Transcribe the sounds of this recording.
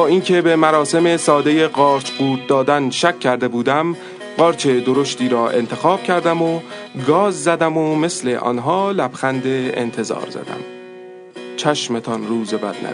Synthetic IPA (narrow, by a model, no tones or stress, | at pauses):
bɒːiːŋcʰe̞be̞mæɾɒːse̞me̞sɒːd̪eje̞ɢɒːɾt͡ʃʰɢuːt̪̚d̪ɒːd̪ænʃæcʰːæɾd̪e̞buːd̪æm | ɢɒːɾt͡ʃʰe̞d̪oɾo̞ʃt̪ʰiːɾɒːʔe̞̰nt̪ʰe̞xɒːb̥cʰæɾd̪æmo | ɡɒːzzæd̪æmome̞sle̞ʔɒ̰ːnɦɒːlæb̥xænd̪e̞ḛnt̪ʰe̞zɒ̰ːɾzæ̰d̪æ̰m | t͡ʃʰæʃme̞t̪ʰɒnruːzebæ̰d̪̚næ̰